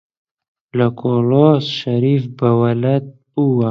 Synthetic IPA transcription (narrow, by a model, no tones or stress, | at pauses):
lɐkʰoloːsʃɐɾiːfbɐwɐlɐt̪̚ | uwa